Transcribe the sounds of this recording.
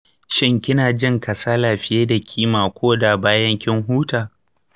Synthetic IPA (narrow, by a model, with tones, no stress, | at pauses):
ʃɪ˦ŋkʲɪ˦naː˨d͡ʒɪ˦ŋkɐ˨saː˦laː˨ɸɪ˦jeː˦da˨kʲʰiː˦maː˨kʷoː˦da˨baː˦jɐ˦ŋkʲɪ˦ŋɦuː˦taː˨